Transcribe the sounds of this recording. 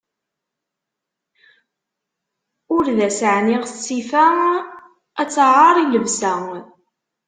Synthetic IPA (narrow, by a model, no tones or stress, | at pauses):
ʊɾðæsəʕniʁθsifæ | æt͡sːʁɑɾˤiʝəvsæ